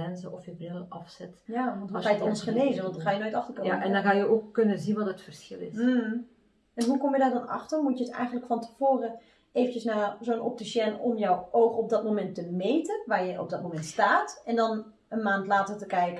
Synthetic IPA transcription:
ɛnzəɔfjəbrɪlənɑfsɛtjaːʋɔntʋɔajətɔnsχəneːzənʋɔntdɔxaːjənoːjtɑxtərkønaɛndɔnɣaːjəoːkːønəzinʋɔtətfərsxɪlˠɪ̰s | ɛnɦukɔmjədaːdɔnɑ̰xtərmutjəətɛ̰jɣəndləkfɔntəv̥oːrə | eːvəntjəsnaːzoːnɔ̰p̚tiʃɛnɔmjɔwoːxɔp̚dɔtmomɛntəmejtənʋaːrjəʔɔ̰p̚dɔt̚momɛntstaːtɛndɔn | ənmaːntlaːtərtəkɛjkə

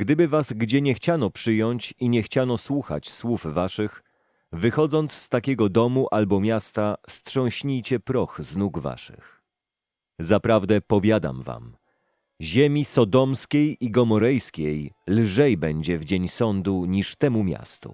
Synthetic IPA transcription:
ɡ̥d̪ɘbɘvazɡd͡ʑɛɲɛxt͡ɕanɔpʂɘjɔɲt͡ɕiɲɛxt͡ɕanɔswuxa̰t͡ɕswufvaʂɘx | vɘxɔd̪zɔnt̪sst̪akʲɛɡɔd̪ɔmuʔalbɔmʲjast̪astʂɔ̃w̃ɕɲijt͡ɕɛpɾɔxznuɡva̰ʂɨ̰x | zapɾavd̪ɛpɔvʲjad̪a̰mva̰m | ʑemʲisɔd̪ɔmskʲejiɡɔmɔɾɛjskʲejlʐɛjbɛɲd͡ʑɛvd͡ʑeɲsɔnd̪uɲiʂt̪ɛmumʲja̰st̪ṵ

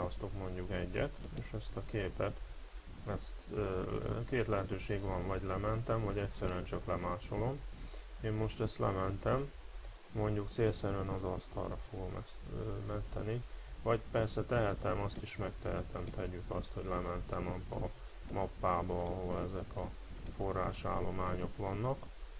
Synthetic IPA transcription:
aost̪o̞kmo̞ɲɟukɛɟːɛ̰t̪eːʃɛst̪ɒkeːpɛt̪ | ɛst̪ː | keːt̪lɛɦɛt̪øːʃeːɡʋɒɱvɒɟlɛmɛnt̪ɛmvɒɟɛcsɛɾyɛnt͡ʃɒklɛmaːt͡ʃo̞lo̞meːmːo̞ʃt̪ɛst̪lɛmɛnt̪ɛmː | o̞ɲɟukt̪seːlsɛɾyɛnɒzɒst̪ɒ̰lrɒfoɡo̞mɛ̰smɛnt̪ɛnivɒɟpɛrsɛt̪ɛɦɛt̪ɛmɒst̪iʃmɛk̚t̪ɛɦɛt̪ɛmt̪ɛɟːykɒst̪ho̞ɟlɛmɛnt̪ɛmɒpɒ̰ | mɒpːaːbɒɒɦolɛzɛkʰɒ | fo̞rːaːʃa̰ːlːo̞maːɲo̞kʋɒnːɒk

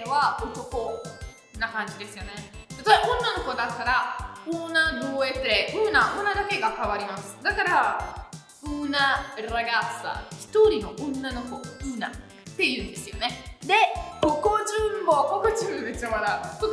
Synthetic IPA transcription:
βaot̪o̞ko̞ | nakãɲ̟d͡ʑid̪e̞sɨjo̞ne̞t̪at̪aeõ̞nːano̞ko̞d̪at̪ːaɾaonad̪oːetɯɾeʔɯːnaɯnad̪ake̞ɡakaβaɾʲimasɨ̥d̪akaɾa | ɯnaɾaɡasa̰çi̥t̪o̞ɾʲino̞ʔõnːano̞ko̞ɯ̟na̰ | t̪ːe̞jɯ̟̃ːnd̪e̞sɨjo̞ne̞d̪e̞mokod͡ʑɨmmokokɯt͡ɕɨd̪et͡ɕaβaɾako

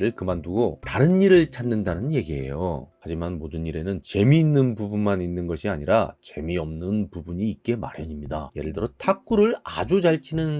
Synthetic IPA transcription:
ɾɯɭkɯmanduɡotaɾɯniɾɯɭt͡ɕʰanːɯndanɯnje̞ɡiɦe̞̰jo̰had͡ʑimanmodɯniɾe̞nɯnt͡ɕe̞miːnːɯnbubunmaninːɯnɡʌɕʰiaɲiɾa̰t͡ɕe̞miʌmnɯnpubuɲiːk͈e̞ma̰ɾjʌɲimɲida̰je̞ɾɯɭdɯɾʌtʰak͈uɾɯɭad͡ʑud͡ʑaɭt͡ɕʰinɯn

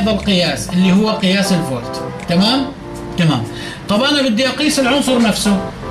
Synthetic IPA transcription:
ðˤɑlqɪjaːsʔɪlːihʊwːaqɨjaːsɪlfoːlt̪t̪amaːm | t̪amaːm | t̪ˤɑbʔanabɪd̪ːɪjɑqiːsɪlʕʊnsˤʊɾnafsʊ

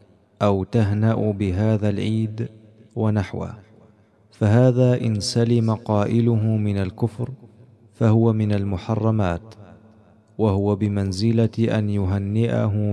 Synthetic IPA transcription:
ʔawt̪aɦnaʔʊbɪɦaːðalʕiːd̪ | wanaħwa̰ | faɦaːðaːʔɪnsalɪmaqɑːʔɪlʊɦʊmɪnalkʊfɾ | fahʊwamɪnalmʊħɑrˤːɑmaːt̪ | wahʊwabɪmanzɪlaʔa̰njʊɦanːɪʔa̰ɦʊ

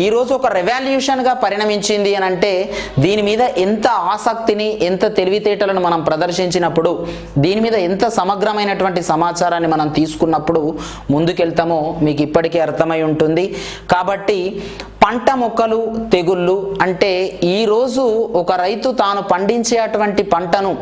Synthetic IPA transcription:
iːɾo̞ːd͡ʒuɔkɐɾiʋaːljuːʂɐnɡaːpɐɾiɳɐmiɲt͡ʃind̪iɐnɐɳʈe̞ːd̪iːnimiːd̪ɐʔint̪ɐaːsɐk̚t̪iniʔɛnt̪ɐt̪e̞liʋit̪ɛːʈɐlɐnumɐnɐmpɾɐd̪ɐɾʃiɲt͡ʃinɐpːuɽu | d̪iːnimiːd̪ɐint̪ɐsɐmɐɡɾɐmɐjnɐʈuʋɐɳʈisɐmaːt͡ʃaːɾaːnːimɐnɐmt̪iːsu̥kunːɐpːuɽu | mund̪ukɛlt̪ɐmoːmiːk̬ipːɐʈike̞ːɐɾt̪ʰɐmɐjuɳʈund̪i | kaːbɐʈːipɐɳʈɐmɔkɐlut̪e̞ɡulːuɐɳʈe̞ːiːɾo̞ːd͡ʒuɔkɐɾɐjt̪ut̪aːnupɐɳɖiɲt͡ʃɛːɐʈuʋɐɳʈipɐɳʈɐnu

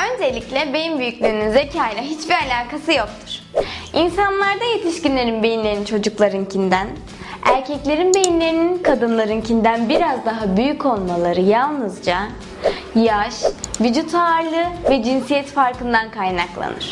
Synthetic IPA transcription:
ø̞nd͡ʒelʲːiclʲɛbe̞jimbyjycʲlʲyːnynze̞cʰaːjlʲɛɦit͡ʃbialʲaːkasɯjo̞k̚t̪ʰu̥ɾ̥insanlˠaɾd̪aje̞t̪ʰiʃcinlʲe̞ɾinbe̞jinlʲe̞ɾinint͡ʃʰo̞d͡ʒuklˠaɾɯncʰind̪æn | æ̰ɾcʰɛclʲe̞ɾinbe̞jinlʲe̞ɾininkʰad̪ɯnlˠaɾɯncʰind̪ænbiɾazd̪aɦabyjycʰo̞lˠmalˠaɾɯjalˠnɯzd͡ʒa | jaʃvyd͡ʒut̪ʰaɾlˠɯvɛd͡ʒinsijɛt̪faɾkɯnd̪ankʰajnaklˠa̰nɯɾ̥

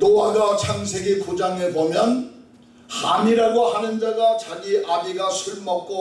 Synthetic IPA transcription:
nowaɡat͡ɕʰaŋs̬ʰe̞ɡekod͡ʑaŋebomjʌn | haniɾaɡohanɯnd͡ʑaɡat͡ɕaɡiʔaɡiɡasʰuɭmʌk̚k͈o

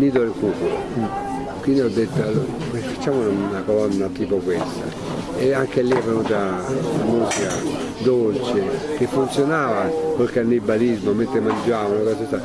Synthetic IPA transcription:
niːt̪̬od̪elkuːkulo | kwind̪iɔd̪ːet̪ːa | pefḁt͡ʃːaːmunanakolɔnːat̪iːpokwest̪a̰ | eaŋkelːiɛvːenuːt̪amusika | d̪olt͡ʃek̟efːunt̪sjonaːvakolkanːibalizmoment̪ɾemand͡ʒaːvanokasest̪ːa

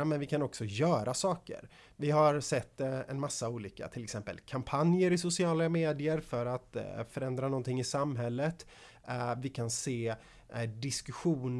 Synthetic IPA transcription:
amɛnvɪkʰanɔksɔjœːɾʔasɑːkə̰ɾ | vɪɦaɾsɛt̪ːɛ̰nmasːauːliːka̰t̪ʰɪlɛksɛmpə̰lkʰampʰanjəɾɪsʊsɪɑːlameːd̪ɪəɾfœɾat̪fœɾɛnd̪ɾanɔnt̪ʰɪŋːɪsamɦɛlːət̪ | vɪkʰanseː | d̪ɪskɵɧuːn

